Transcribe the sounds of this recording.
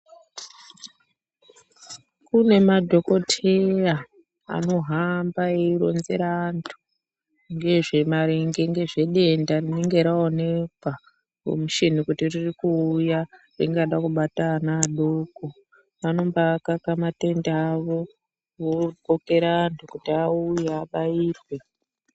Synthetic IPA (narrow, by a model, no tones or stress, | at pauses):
kune̞madʱo̞ko̞tʰea | a̰no̞ɦambaeiɾo̞̰nzḛɾandʰu̥ | ŋɡe̞ʐe̞maɾiŋɡe̞ŋɡe̞ʐe̞ɗe̞ndarineŋɡe̞ɾaone̞kwa | o̰muʃin̤ikutiririkuːja | riŋɡaɗakuɓatanaːɗo̞ko̞ | ʋano̞mbakakamate̞ndaaʋo̞ | ʋoɡoke̞ɾaːntʰukutiaujeaɓaiːrwe̞